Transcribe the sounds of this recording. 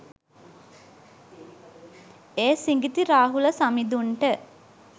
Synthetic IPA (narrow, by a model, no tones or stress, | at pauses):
eːsiŋɡit̪iɾaːɦuləsamid̪uɳʈə